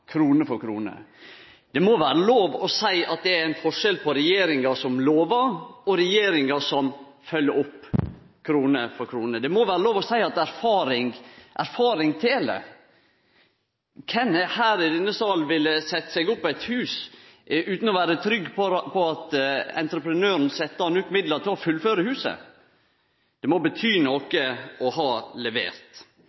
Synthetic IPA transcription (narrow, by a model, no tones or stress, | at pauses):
kʰɾuːnəfɔɾkʰɾṵːnə̰ | d̪̥ɛmɔʋæːɾəloːʋɔsæɪɑt̪̚d̪ɛæɾæɪnfɔʂɛlpʰɔɾɛjeːɾɪŋɑʂɔmloːʋəɾɔɾɛjeːɾɪŋɑsɔm | fœlːəɔpː | kʰɾuːnəfɔɾkʰɾuːnəd̪ɛmoʋæːɾəloːʋɔsæɪɑt̪æɾfɑːɾɪŋʔæɾfɑːɾɪŋt̪ʰelə̰ | kʰɛnhæːɾɪd̪ɛnːəsɑːlʋɪlːəsɛt̪ːə̥sɛɡʊpːɛɪt̪hʉːsʔʉːt̪n̩ɔʋæːɾət̪ʰɾʏɡːpʰpʰɔɑt̪ɛ̰nt̪ɾəpɾənøːɾn̩sɛt̪ːəhɑnʉːt̪mɪd̪ləɾt̪ʰɪlɔfʉlføːɾəhʉːsə̰ | d̪̥ɛmɔbət̪ʰyːnɔkəɔhɑːlɛʋḛːɾt̪